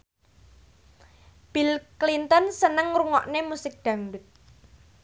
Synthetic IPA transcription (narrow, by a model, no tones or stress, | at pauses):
b̥ilklint̪ənsənəŋruŋɔʔnemusɪk̚d̪̥ä̤ŋdʊt̪̚